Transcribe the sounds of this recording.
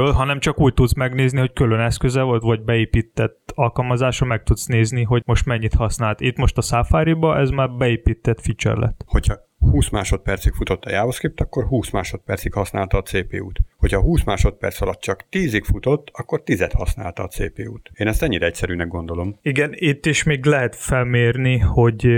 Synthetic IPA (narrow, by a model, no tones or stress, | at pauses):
ølɦɒnɛmt͡ʃɒkuːɟ̚t̪ud̪smɛɡneːzniho̞ckølønɛskøzɛvolt̪ʋɒɟbɛeːpiːt̪ːɛt̪ːɒlkɒlmɒzaːʃɒmɛk̚t̪ut̪sneːzniɦo̞ɟmo̞ʃt̪mɛɲːit̪hɒsnaːlt̪it̪mo̞ʃt̪ɒsaːfaːɾibɒʔɛzmaːrbɛeːpiːt̪ːɛt̪fit͡ʃɛ̰rlʔɛ̰t̪ho̞cʰhɒ | huːsmaːʃot̪̚pɛrt̪sikfut̪o̞t̪ːɒ̰jaːoskip̚t̪ɒkːo̞rhuːsmaːʃo̞t̪̚pɛrt̪sikhɒsna̰ːlt̪ɒːt̪seːpḛːuːt̪ho̞cʰhɒɦuːsmaːʃo̞t̪̚pɛ̰rt̪sɒlɒt̪̚t͡ʃɒkt̪iːzikfut̪o̞t̪ːɒkːo̞rt̪izɛt̪hɒ̰sna̰ːlt̪ɒːt̪sḛːpeːuːt̪eːnɛst̪ɛɲːiɾɛɛc̚sɛɾyːnɛɡ̚ɡond̪o̞lo̞miɡɛnit̪ːiʃmiːɡlɛɦɛt̪fɛlmeːrniho̞ɟ